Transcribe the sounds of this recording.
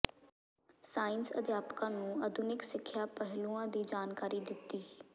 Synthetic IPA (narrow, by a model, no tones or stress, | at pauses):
saːɪnsə̰d̪ʱjaːpkãːnũːəd̪ʱʊnɪksɪkʰːjaːpəɦɪlũːãd̪iːd͡ʒaːnkaːɾid̪ɪt̪ːiː